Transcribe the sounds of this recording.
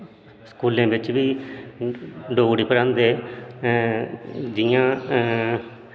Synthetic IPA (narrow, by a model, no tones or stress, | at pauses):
skuːlẽːbɪt͡ʃʋiː | ɖoːɽiːpəɾãːnd̪eː | d͡ʒɪjãː